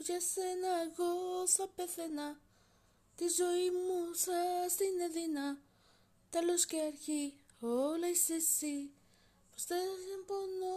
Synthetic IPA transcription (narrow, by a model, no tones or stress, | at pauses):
jasenaɣosapeθena | t̪izoimusast̪ineðina | t̪aloskeaɾçi | olajsisi | post̪esimpono